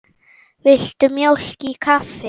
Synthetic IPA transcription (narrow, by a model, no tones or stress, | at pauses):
vɪl̥t̪ʏmjowl̥cikʰafɪ